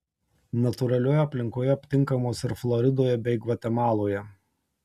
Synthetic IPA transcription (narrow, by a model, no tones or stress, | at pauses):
nɐt̪ʊɾɐlʲoːjɛɐpʲlʲɪŋkoːjɛɐpʲt̪ʲɪŋˑkɐmoːsɪɾflˠɔɾʲɪd̪oːjɛbʲɛɪɡʋɐt̪ʲɛmɑːlˠoːjɛ